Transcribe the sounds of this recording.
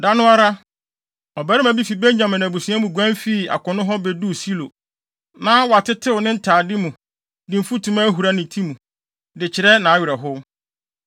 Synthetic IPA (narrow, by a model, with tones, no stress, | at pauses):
da˦nʊ̃˦a˦ɾa˦ | ɔ˨bæ˨˦ɾɪ˦mã˨bi˦fi˨bẽ˦ɲɲã˨mɪ̃˨nː˨bu˨sũ˨˦ã˦mũ˨ɡʷã˦n˦fi˦˨a̰˨kʊ̃˨nʊ̃˦ɦɔ˦bɛ˦du˦˨si˦lo˨ | nã˦wɔ˨a˨tʰɪ˦tʰɪ˦wʊ˨nɪ̃˦n̩˦tʰaː˨dɪ˦mũ˨ | dɪ̃˨m̩˨fu˦tʰũ˨ma˦ɦu˨ɾa˦nɪ̃˨tʰi˦mũ˨ | dɪ˨t͡ɕʰɪ˨ɾɛ˦nã˨a˦ɥɪ˨ɾɛ˨ɦʊ˦